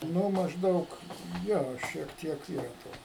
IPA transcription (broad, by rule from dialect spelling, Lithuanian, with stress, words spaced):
ˈnʊ mɐʒˈdɐʊk ˈjoː ˈʃʲiɛk ˈtʲiɛk ˈiːrɐ ˈtoː